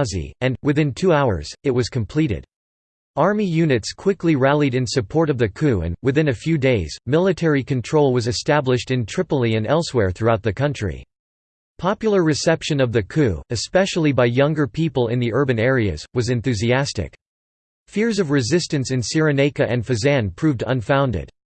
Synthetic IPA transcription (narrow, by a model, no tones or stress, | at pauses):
zḭɨ̃nwɨθɪ̃ntʰʉaʊə̰˞z̥ɨt̚wʌz̥kʰɨ̃mpʰl̥iɾɪ̰d̥ | ɑɹmijʉnɨtskʰw̥ɪkliɹælˠiɾɨ̃nsɨpʰɔɹɾʌvðɨkʰʉɨ̰̃nwɨθɪ̃nɨfjʉdeɪzmɪlˠətʰɛɹikʰɨ̃ntʰɹ̥oʊlˠwʌzɨstæblɨʃtɨ̃ntʰɹ̥ɪpl̩ˠiɨ̃nɛlˠswɛɹθɹʉaʊt̪̚ðɨkʰʌ̃nt͡ʃɹ̥ḭ | pʰɑpjl̩ˠə˞ɹɨsɛpʃɨ̃nʌvðɨkʰʉɨspɛʃl̩ˠibaɪjʌ̃ŋɡə˞pʰipəl̩ˠɪ̃nðiʔɜ˞bɨ̃nɛɹiɨ̰z̥wʌzɨ̃nθʉziæstɪ̰k | fɪɹzʌvɹɨzɪstɨ̃nsɨ̃nsɪɹɨneɪkɨʔɨ̃nfɨzæ̃npʰɹ̥ʉvdʌ̰̃nfãʊ̃ndɪ̰d̥